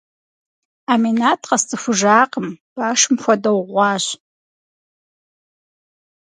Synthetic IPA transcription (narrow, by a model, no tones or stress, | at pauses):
aːmenaːtʰqɐst͡sʼɨfʷʊʒaːqəmb̥aːʂɨmxʷɐdɐwʁʷɑːɕ